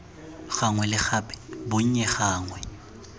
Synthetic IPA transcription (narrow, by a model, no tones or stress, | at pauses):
ɣaŋwɛlɪxaːpʼɛ̥bʊɲ̩ɲɛxaːŋwɛ